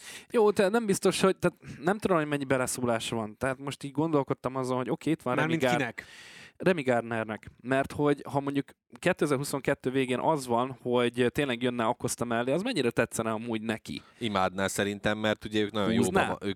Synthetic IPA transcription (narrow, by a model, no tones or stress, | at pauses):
joːt̪ɛt̪nɛmbist̪o̞ʃho̞ɟ̚t̪aːt̪nɛmt̪ud̪o̞mhomɛɲːibɛlɛsoːlaːʃvɒnt̪ɛɦaːt̪mo̞ʃt̪iːɟɡo̞n̪d̪o̞lko̞t̪ːɒmɒzonɦo̞ɟo̞keːit̪ʋɒnrɛminɡinɛkrɛmiɡaːrd̪nɛrnɛkmɛrt̪ho̞ɟhɒmo̞ɲɟuk | kːɛt̪ːøːɛzɛːrɦuso̞ŋkɛt̪ːøːveːɡeːnʔɒzvɒnho̞ɟt̪eːnlɛɡjønːɛɒko̞st̪ɒmɛlːeːɒzmɛɲːiɾɛt̪ɛt̪sɛnɛɒmuːɟnɛkḭimaːd̪naːsɛɾint̪ɛmːɛrt̪uɟɛøːknɒjo̰jnɛ̰øː